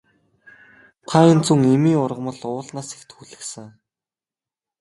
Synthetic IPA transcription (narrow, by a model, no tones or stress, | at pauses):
t̪ʰaːint͡suŋemiːʊrʁə̆mə̆ɮʊːɮnaːse̥kt̪xuɮɘ̆xsɘ̆ŋ